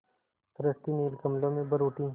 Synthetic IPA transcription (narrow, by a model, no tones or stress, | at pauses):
tɾəst̪iniːlkɐmlõmẽbəɾuːʈĩː